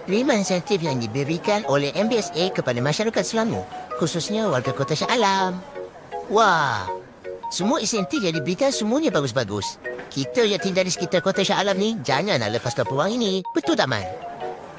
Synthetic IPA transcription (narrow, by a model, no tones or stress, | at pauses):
limainsiɛnt̪ifjaŋdibəɾikanolɛhʔɛmbiɛsekəpadəmaʃaɾakat̪̚səlamṵkususɲəwalɡəkot̪aʃaʔalam | wa | səmuaisɛnt̪ifjadibəɾikansəmuaɲabaɡus̬baɡʊ̰skit̪əjaʔt̪indalisə̥kit̪arkot̪aʃaʔalamnid͡ʒaɲana̰ləpast̪ɔpəwaŋinib̥ət̪ud̪ama̰n